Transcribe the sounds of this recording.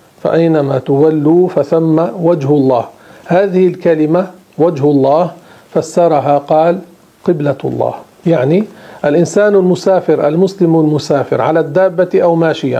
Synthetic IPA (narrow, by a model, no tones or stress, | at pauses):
fa̰ʔajnamaːt̪ʊwalːuːfaθamːawad͡ʒhʊlˤːɑ̰ːhhaːðɪhɪlkalɪma | wad͡ʒhʊlˤːɑːh | fasːɑɾˤɑɦaːqɑːl | qɪbla̰lˤːɑ̰ːh | jaʕniʔalʔɪnsaːnalmʊsaːfɪɾʔa̰lmʊslɪmalmʊsaːfɪ̰ɾʕa̰laːd̪ːaːbːaʔawmaːʃɪja̰